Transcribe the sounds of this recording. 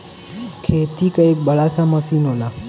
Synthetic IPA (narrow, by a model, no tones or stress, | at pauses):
kʰet̪ikaek̚bəɭasaməsinola